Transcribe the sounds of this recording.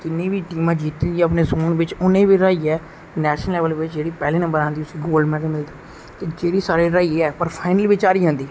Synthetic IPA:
t̪ɪnːẽːʋiːʈiːmãːd͡ʒiːt̪iəpneːsoːnʋɪt͡ʃʊnẽːʋiːɾaːiːɛː | nɛːʃənəlɛːʋəlʋɪt͡ʃd͡ʒeːɽiːpɛːleːnə̃mbəɾãːnd̪iːʊsĩːɡoːlɖmɛ̃ːʈːmɪld̪iː | t̪eːd͡ʒeːɽiːsaːɾiːɾaːiːɛːpəɾpʰaːɪnəlʋɪt͡ʃaːɾiːɦãːnd̪iː

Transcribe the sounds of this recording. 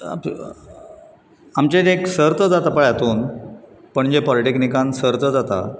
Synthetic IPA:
amt͡ɕẽeksəɾt̪əd͡zat̪apəɭjat̪uːn | pəɳd͡ʑepɔliʈeknikãnsəɾt̪əd͡zat̪a̰

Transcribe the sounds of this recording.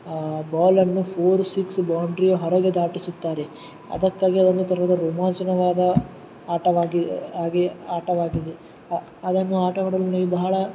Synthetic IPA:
baːlɐnːupʰoːɾsiksbaːwɳɖɾijɐɦɔɾɐɡed̪aːʈisut̪ːaːɾe | ɐ̰d̪ɐkːaːɡiɐd̪ond̪ut̪ɐɾɐɐd̪ɐɾuːmaːnsɐnɐʋaːd̪ɐ | aːʈɐʋaːɡiaːɡiaːʈɐʋaːɡid̪e | ɐd̪ɐnːuaːʈɐɡɐɽɐlɐnɐibɐɦɐɭɐ

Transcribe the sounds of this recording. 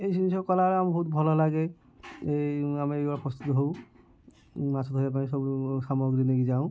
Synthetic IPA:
ejsinisɔkɔlaɹambʱɔɦut̪̚bʱɔlɔlaɡɛ | eamiebapʰɔst̪ut̪ɦo | masʰɔt̪ɦojɛpanĩsɔbsamɔɡɹineɡizaʊ̃

